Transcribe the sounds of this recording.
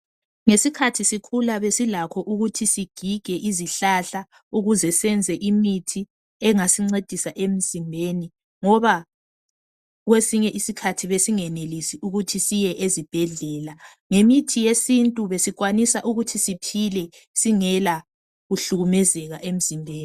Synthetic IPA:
ŋesikʰatʰisikʰulaβesilakʰɔʔuɣutʰisiɡ̥ʱiɡ̥ʱɛʔiziɬaɬa | uɣuzɛsɛnd͡zʱɛʔimitʰi | ɛŋasiŋ͡ǀed̥ʱisaʔem̩zimbʱeni | ŋɔβa | ɣwesiɲɛʔisikʰatʰiβesiŋɛnelisiʔuɣutʰisijɛʔezib̥ʱɛɮɛːla | ŋemitʰijesintʼuβesiɣwanisaʔuɣutʰisipʰilɛ | siŋɛla | ɣuɬuɣumɛzɛɣaʔem̩z̥imbʱeːni

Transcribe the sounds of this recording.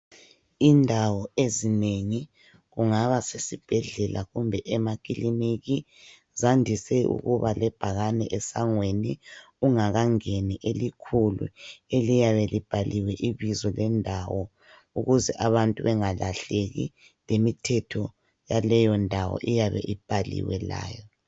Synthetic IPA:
indʱawɔezineŋi | ɣuŋaβasesib̥ʱɛɮɛlʔaɣumbʱɛʔɛmakʼilimiɣi | zandʱisɛṵɣuβalɛb̥ʱaɣanɛʔɛsaŋweni | uŋaɣaŋeniʔelikʰulṵelijaβɛlib̥ʱaliwɛʔiβizɔlɛndʱawɔ | uɣuzɛʔaβantʼuβɛŋalʔaɬeɣḭ | lemitʰɛtʰɔ | jalɛjɔndʱawɔ̰ʔijaβɛ̰ʔib̥ʱalḭwɛla̰ːjɔ

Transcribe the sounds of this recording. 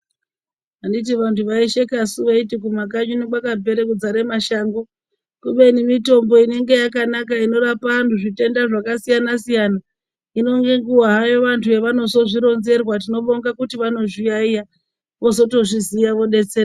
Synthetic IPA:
andit̬iʋantʰuʋaiʃe̞kasuʋaitikumak̬aɲuneɓwakabʱe̞ɾekud͡zaɾemaʃaːŋɡo̞ | kuɓe̞nimito̞mbo̞ine̞ŋɡe̞jakanakaino̞ɾapantuʐite̞ndaʐakasijanasijana | ino̞ŋɡe̞ŋɡuwaɦajoʋantʰuʋe̞ʋano̞so̞ʐiɾo̞nze̞rwat̬ino̞ɓo̞ŋɡakutiʋano̞ʐijaija | ʋo̞so̞to̞ʐizijaʋo̞ɗe̞t͡seɾa

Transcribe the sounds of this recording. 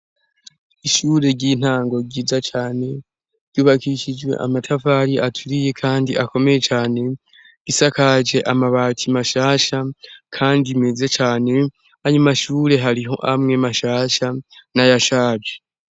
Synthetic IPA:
iʃuːɾe̞ɾɟiːn̥haːŋɡo̞ɡiːzat͡ʃaːne̞ | ɾɟuːβakiʃid͡ʒwe̞̰ʔa̰matʰavaːɾiʔatʰuɾije̞kʰaːndiʔako̞me̞je̞t͡ʃaːne̞ | ɡ̥isakaʒe̞ʔamaβaːtʰimaʃaːʃakʰaːndime̞ze̞t͡ʃaːne̞ | ajumaʃuːɾe̞ɦaɾiɦo̞̰ʔamŋe̞maʃaːʃanajaʃaːbje

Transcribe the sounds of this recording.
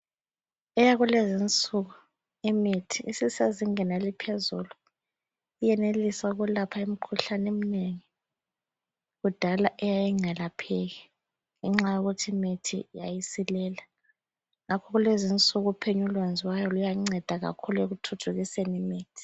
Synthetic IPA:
ɛjaɣulezint͡sʼuɣu | imitʰiʔisisaziŋɛnalipʰezulu | ijɛnelisaɣulapʰaim̩kʰuɬanem̩neŋi | ɣud̥ʱalaʔɛjajiŋ͡ǀʱɛlapʰɛɣi | ŋɛŋ͡ǁajuɣutʰiimitʰḭja̰jisilɛːla | ŋakʰɔɣulezint͡sʼuɣupʰeɲulwand͡zʱiwajɔlujaŋ͡ǀɛd̥ʱaɣa̰kʰulueɣutʰutʰuɣisenimiːtʰi̥

